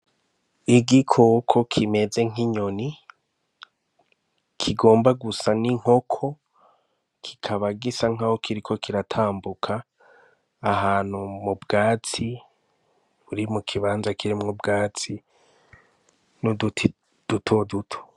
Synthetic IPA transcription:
iɡikʰokʰo̞kʰime̞d͡ze̞ŋ̥iɲo̞ni | kʰiɡo̞ːmbaɡusaniŋ̥ho̞kʰo̞ | kʰi̥kʰaβaɡisaŋ̥ahokʰiɾikʰo̞kʰiɾatʰaːmbukʰaː | ɦaːn̥humubɡaːt͡si | βuɾimukʰiβaːnzakʰiɾimŋobɡaːt͡si | no | d̥utʰodutʰo̥

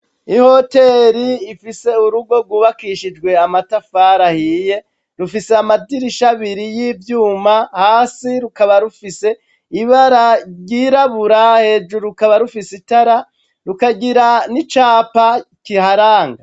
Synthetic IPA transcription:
iho̞te̞ːɾiːfise̞uɾuɡo̞ɡwuːβakiʃid͡ʒɡwe̞amatafaːɾahiːje̞ | ɾufiseamadiɾiʃaβiɾijivjuːmahaːsiɾukaβaɾufise̞ | iβaɾaɾjiːɾaβuɾahe̞d͡ʒuɾukaβaɾufisitaɾa | ɾukaɡiɾanit͡ʃaːpakihaɾaːŋɡa

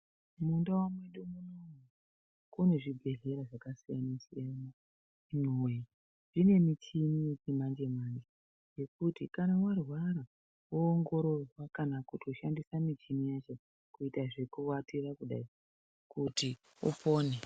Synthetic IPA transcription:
mundawamweɗumunou | kune̞ʐibʱe̞ɮe̞ɾaʐakasijanasijana | inowe | ʐ̥ine̞mit͡ʃimijet͡ʃimand͡ʒe̞mand͡ʒe | je̞kutikanawarwaɾa | wuːŋɡo̞ɾo̞rwakanakutʰo̞ʃandisamit͡ʃimijat͡ʃe | kuitaʐe̞kuwatirakuɗa̰i | kuti | ṵpo̞ːne

